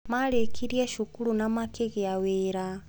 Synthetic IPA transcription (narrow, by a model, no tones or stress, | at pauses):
malekʰiɾiɛʃukulunamakeɣeaweɾa